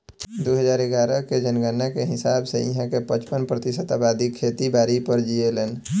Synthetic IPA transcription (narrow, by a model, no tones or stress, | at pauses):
d̪oɦəd͡ʒaːɾeɡaːɾəked͡ʒənɡənːakeɦɪsaːbseḭɦãkepət͡ʃpənpɾət̪ɪsət̪abaːd̪ikʰeːt̪ibaːɾipəɾd͡ʒieleːn